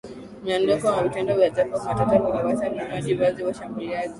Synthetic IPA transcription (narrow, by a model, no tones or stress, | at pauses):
m̩jandɔkɔwavitɛndɔvjazafamatatakaawasaɾamaʄivaziwaʃambuliazi